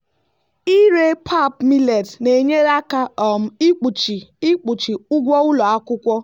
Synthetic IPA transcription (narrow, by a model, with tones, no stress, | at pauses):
i˦ɾe˦pʰa˦˨pmi˦le˨dne˨ɲe˦ɾa˦ka˦ɔ˨m̩˨i˦k͡pu˨t͡ʃi˨i˦k͡pu˨t͡ʃi˨ʊ˦ɡʷɔ˦ʊ˦lɔ˨a˦kʊ˦kʷɔ˦